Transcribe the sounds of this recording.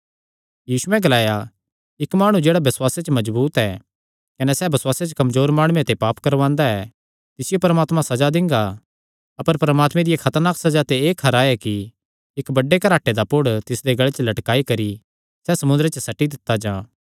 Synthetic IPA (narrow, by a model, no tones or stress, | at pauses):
jiːsʊɛ̃ɡɐlaːja | ɪkmaːɽ̃ũd͡ʒeːɽabɪswaːset͡ʃəmɐd͡ʒbuːt̪ɛ | kɐnɛsɛbɐswaːset͡ʃəkɐmzoːɾmaːɽ̃uẽt̪epaːpkɐɾʋãːnd̪aɛ | t̪ɪsɪjopɐɾmaːt̪mãsɐd͡ʒad̪ɪ̃ŋɡa | ɐpəɾpɾəmaːt̪mɛ̃d̪ɪjekʰɐt̪əɾnaːksɐd͡ʒat̪eeːkʰɐɾaɛki | ɪkbɐɖːekɐɾaːʈed̪apʊɽt̪ɪsd̪eɡɐɭet͡ʃlɐʈkaːikɐɾi | sɛsɐmʊ̃nd̪ɾet͡ʃəsɐʈid̪ɪt̪ːad͡ʒãː